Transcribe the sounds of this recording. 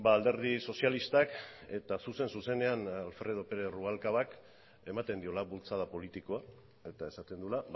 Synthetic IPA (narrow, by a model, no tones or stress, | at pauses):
baːld̪e̞ɾðiso̞sialist̪ake̞t̪asuse̞nsuse̞ne̞analfɾe̞ð̞o̞pe̞ɾe̞ruβalkaβak | e̞mat̪e̞nd̪io̞laβult͡saðapo̞lit̪iko̞a | e̞t̪ae̞sat̪e̞nd̪ula